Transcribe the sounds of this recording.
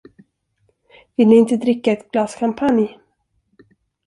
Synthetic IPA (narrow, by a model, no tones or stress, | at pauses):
vɪlnɪɪnt̪əd̪ɾɪkːaɛt̪blɑːskʰampʰanj